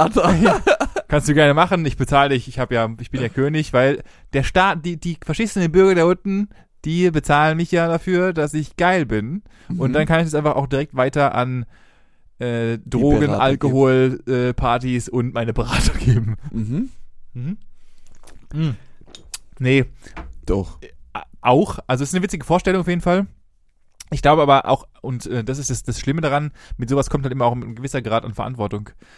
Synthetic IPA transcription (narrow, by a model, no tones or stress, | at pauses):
ata | kʰanstd̥uːɡɛɐnəmaχənɪçb̥ət͡saːlɪçɪçhaːbəjaːɪçb̥ɪnjaːkʰøːnɪçv̥aɪl | d̥eːɐʃtaːtd̥iːd̥iːfɛɐʃiːsnndeːnbʏɐɡɐdeːɐʊtn̩ | d̥iːbət͡saːlənmɪçjaːdafyːɐdasɪçɡ̥aɪlbɪn | ʔʊntd̥ankʰanɪçɛsʔaɪnfaχa̰ʊxd̥iʁɛk̚tv̥aɪtɐʔa̰n | ʔɛːdʁoːɡənʔalkohoːlʔɛːpʰaɐtisʊntmaɪnəbəʁaːtʊŋɡ̥eːbm̩ | m̩hm̩ | nəd̥ɔ | ʔaʊxʔalzoʔɛsnəvɪt͡sɪɡəfoːɐʃtɛlʊŋaʊfjeːdn̩fal | ʔɪçɡ̥laʊbəʔaːbɐʔa̰ʊxʔʊntʔɛːdas̬ɪstd̥asd̥asʃlɪmədaʁanmɪtz̥oːvaskʰɔmthaltʔɪmɐaʊxɡəvɪsɐɡʁaːtanfɛɐa̰ntv̥ɔɐtʊŋ